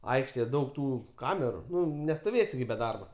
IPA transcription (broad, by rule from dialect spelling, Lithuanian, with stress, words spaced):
ˈɐɪkʃʲtʲeːjɛ ˈdɐʊk ˈtuː ˈkɑːmʲɛrʊ ˈnʊ nʲɛstoːˈʋʲeːsʲɪ ɡʲɪ bʲɛ ˈdɐrbɐ